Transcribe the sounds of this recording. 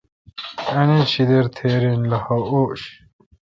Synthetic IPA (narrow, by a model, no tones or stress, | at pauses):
ɐnit͡ɕʰid̪eɾt̪ʰeːɾinlɐhɐoːɕ